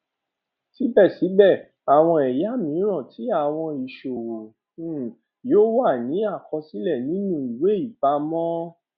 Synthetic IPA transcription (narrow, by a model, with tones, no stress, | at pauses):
si˨˦bɛ˦˨si˨˦bɛ˦˨ | a˨w̃ɔ̃˧ɛ˨ja˨˦mĩ˨˦ɾ̃ɔ̃˦˨tʰi˨˦a˦˨w̃ɔ̃˧i˨ʃo˨wo˨˦ | joː˦wa˦˨nĩ˨˦a˦˨kɔ˧si˦lɛ˦˨nĩ˦nũ˦i˨we˨˦i˦˨ba˧mɔ̃˦